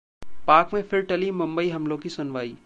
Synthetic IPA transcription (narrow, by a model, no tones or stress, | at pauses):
paːkmẽfʰɪɾʈɐlimʊ̃mbəiɦɐmlõkisʊnʋaːiː